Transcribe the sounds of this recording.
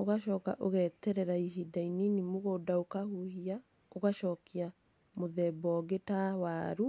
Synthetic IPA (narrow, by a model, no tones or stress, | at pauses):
oɣaʃɔːka̰ʔoɣɛtɛɾɛɾaiɦidaininimoɣoːdaokahuhia | oɣaʃɔːkia | moðɛbɔɔɡetawaɾu